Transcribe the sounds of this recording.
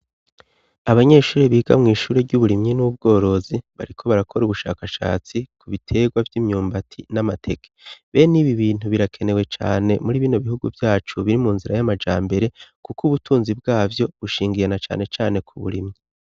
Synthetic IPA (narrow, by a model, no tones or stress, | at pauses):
aβaɲe̞ːʃuːɾiβiːɡa̰mŋiːʃuːɾeɾɟuβuɾimɲinubɡo̞ːɾo̞ziβa̰ɾikʰo̞βaɾakʰo̞ɾuβuʃa̰ːkaʃa̰ːt͡sikʰuβitʰe̞ːɡwavjiːmɲuːmbatʰinamatʰe̞kʰe̥βeːniβiβiːn̥uβiɾakʰe̞ne̞we̞t͡ʃa̰ːne̞muɾiːβiːnoβihuɡuvjaːt͡ʃuβiɾimuːnziɾajamad͡ʒaːmbe̞ɾe̞kukuβutʰuːnzibɡaːvjo̞βuʃiːŋɡijenat͡ʃa̰ːne̞t͡ʃaːne̞kʰuβṵɾimɲi